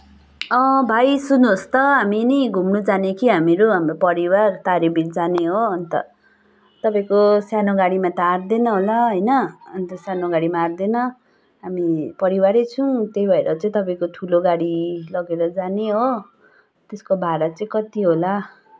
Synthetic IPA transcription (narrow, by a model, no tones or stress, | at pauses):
ʌ̃bʱajsunost̪ʌɦaminʌɡʱumnud͡zanekʰiɦameɾuɦamɾopʌɾiwart̪aɾibild͡zaneɦoːnt̪ʌ̰ | t̪ʌpaĩkosjanoɡaɽimat̪aːɾd̪enʌɦolaɦʌjnʌːnt̪ʌsjanoɡaɽimaːrd̪enʌ | ɦamipʌɾiwaɾet͡sʰʌ̃t̪ejbʱʌeɾʌt͡sʌĩt̪ʌpaĩkot̪ʰuloɡaɽilʌɡeɾʌd͡zaneɦo | t̪eskobʱaɾat͡sʌĩkʌt̪iɦola